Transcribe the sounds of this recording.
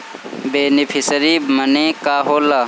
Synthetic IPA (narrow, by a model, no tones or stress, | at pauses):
beːnɪpʰɪsəɾiːmənẽːkaːɦoːlaː